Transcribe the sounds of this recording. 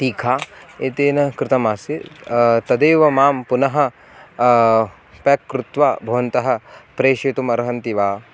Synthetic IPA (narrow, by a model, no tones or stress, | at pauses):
t̪iːkʰaːeːt̪eːnɐkɾɪt̪ɐmaːsit̪ɐd̪eːʋɐmaːmpunɐɦɐ̆ | pɐkːɾut̪ʋaːbʱɐʋɐnt̪ɐɦɐ̆pɾeːʃet̪umɐɾɦɐnt̪iʋaː